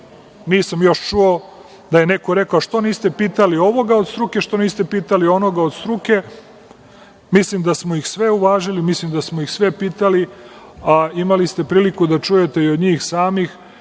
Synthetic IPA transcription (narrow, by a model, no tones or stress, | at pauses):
niːsamjo̞ʃt͡ʃuo | d̪aje̞nekoɾe̞kaoʃt̪o̞niːst̪e̞piːt̪alio̞ʋo̞ɡao̞d̪st̪ɾuke̞ʃt̪o̞niːst̪epiːt̪alio̞no̞ɡao̞d̪st̪ɾuke̞ | mislimd̪asmoixsʋe̞uʋaːʒilimislimd̪asmojixsʋe̞piːt̪ali | aimalist̪e̞pɾiːlikud̪at͡ʂuje̞t̪e̞iod̪ɲiːxsaːmix